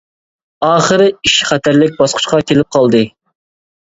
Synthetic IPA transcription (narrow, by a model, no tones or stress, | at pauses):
ɑːχəɾɪiʃχæt̪ʰæɾlɪk̚ʲbɑsqʰʊ̥ʃqɑkʲʰelɪp̚qʰɑlˠd̪ɨ